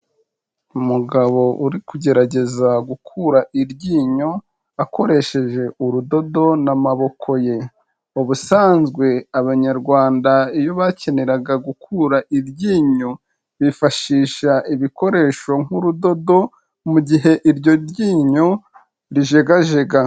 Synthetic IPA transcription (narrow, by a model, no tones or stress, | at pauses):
umuɡaβo̞ʔuɾikuɟe̞ɾaɟe̞zaɡukʰuɾaʔiɾɟiːɲo̞ | ako̞ɾe̞ʃe̞ʒe̞ʔuɾudo̞do̞namaβo̞kʰo̞je̞ | uβusaːnzɡwe̞aβaɲaɾɡwaːndaijo̞βace̞ne̞ɾaɡaɡukʰuːɾaʔiɾɟiːɲo | βifaʃiːʃaʔiβiko̞ɾe̞ːʃo̞ŋ̥huɾudo̞do̞ | muɟiɦe̞ʔiɾɟo̞ɾjiːɲo̞ | ɾiʒe̞ɡaʒe̞ɡa